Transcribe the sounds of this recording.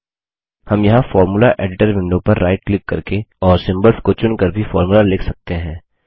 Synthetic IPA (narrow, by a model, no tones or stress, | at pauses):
hɐmjɐɦãfɔːɾmulaʔeːɖɪʈəɾmɪ̃nɖõpɐɾːaːɪʈklɪkːɐɾkeɔːɾsɪ̃mbəɾfkot͡ʃʊnkɐɾbʱifɔːɾmulalɪːkʰsɐk̚t̪eɦɛ̃ː